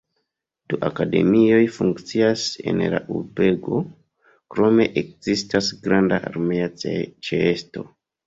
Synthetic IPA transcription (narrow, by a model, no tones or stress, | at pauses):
d̥uʔakade̞̰mio̞jfuŋkt͡siase̞̰nla̰ʔṵɾbe̞ɡo̞ | kɾo̞me̞ʔek̚z̥istasɡɾandaʔaɾmeat͡ʃeesto̞